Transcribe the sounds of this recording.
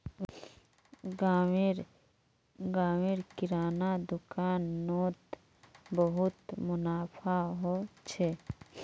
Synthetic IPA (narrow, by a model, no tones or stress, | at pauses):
aɾ | ɡaːwɪɾkɪɾaːnad̪ʊkaːnːoːt̪ | bəɦʊt̪mʊnaːpʰaɦot͡ʃʰe